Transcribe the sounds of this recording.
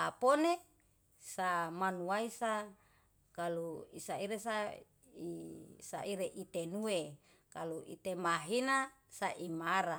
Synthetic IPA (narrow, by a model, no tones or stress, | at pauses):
apone | samanuaisa | kaluisaiɾesa | isa̰iɾeʔit̪enue | kaluʔḭt̪emaɦina | saʔimaɾa